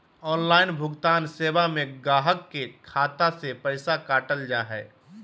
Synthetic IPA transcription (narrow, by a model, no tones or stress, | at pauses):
ɔːnlaːɪnbʱʊɡt̪aːnseːbamẽɡaːɦəkːekʰaːt̪asepɛɪsakaːʈəld͡ʒaːɦɛ̰ː